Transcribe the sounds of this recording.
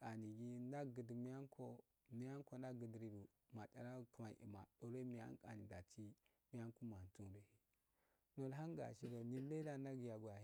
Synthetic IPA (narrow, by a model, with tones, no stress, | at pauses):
a˨ni˨ɡi˦na˦ɡə˨dmi˦ja˦nkʰo˦ | mi˦ja˦ŋko˨na˦ɡə˨dɾi˦du˨ | ma˨da˨ɾa˦ku˨ma˨ʔḭ˨ma˨ɗo˨ɾo˦mi˨ja̰˦ŋ˦ka̰˨ni˨da˨t͡ʃi˦ | mi˦ja˦n˦ku˦ma˨n˨tu˦nɾe˨hi˨ | no˨lɦa˦ŋɡa̰˨ʃi˦ɡa˨ni˦n˦le˦da˦na˦ɡja˨ɡwa˨